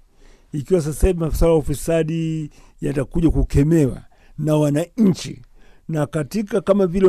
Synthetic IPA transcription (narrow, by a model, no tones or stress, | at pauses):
ikiwas̬asahivimaswalajaufisaɗi | jatakuʄakukɛmɛwa̰ | nawanaɲ̩t͡ʃḭnakatikakamavilɛ